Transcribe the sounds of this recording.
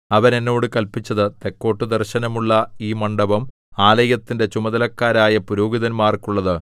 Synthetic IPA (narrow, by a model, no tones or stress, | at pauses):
ɐʋɐne̞nːo̞ːɽɨkɐlpit͡ɕːɐðɨt̪e̞kːo̞ːʈːɨd̪ɐrɕɐnɐmuɭːɐiːmɐɳɖɐbɐm | aːlɐjɐt̪ːinde̞t͡ɕumɐðɐlɐkːaːɾaːjɐpuɾoːɡiðɐnmaːrkuɭːɐðɨ